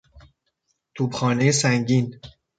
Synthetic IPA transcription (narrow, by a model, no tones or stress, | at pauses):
t̪ʰuːbxɒːne̞jesæŋɟiːn